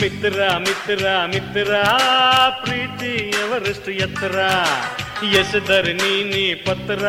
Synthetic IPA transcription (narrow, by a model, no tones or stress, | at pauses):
mit̪ɾamit̪ɾamit̪ɾa | pɾiːt̪iɐʋɐɾiʂʈujɐt̪ɾa | jesɐd̪ɐɾininipɐt̪ɾa